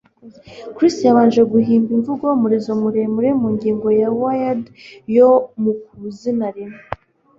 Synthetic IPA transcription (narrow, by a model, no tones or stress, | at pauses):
kɾistjaβaːnʒe̞ɡuhiːmbiɱvuɡomuɾizo̞muɾeːmuɾe̞muɲɡiːŋɡo̞jawajad | jomuk̚uzinaɾime